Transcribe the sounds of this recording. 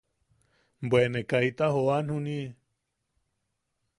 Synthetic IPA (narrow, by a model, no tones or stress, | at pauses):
mbwenekajt̪ahoanhuni